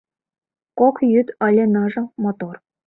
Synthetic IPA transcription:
kokjyt̪ɑlʲenɤʐɤ̆mot̪or

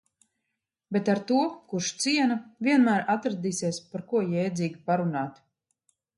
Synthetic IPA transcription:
bet̪aɾt̪uɔkuʃt̪siɛnavʲiɛnmæːɾat̪ɾad̪iːsiɛspaɾkuɔjɛjd̪ziːɡʲipaɾunaːt̪

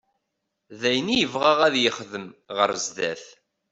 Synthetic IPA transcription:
ðæjənijəvʁəʁæðjəχðəmʁəɾzd̪æ̰θ

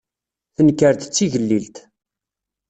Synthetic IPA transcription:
θənkəɾt̪t͡sːiʝəlːilt̪

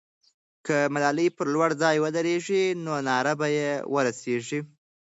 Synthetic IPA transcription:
kəmalɑləjpəɾlwaɽd͡zɑjwəd̪əɾeʐinonɑɾabajewəɾaseʐi

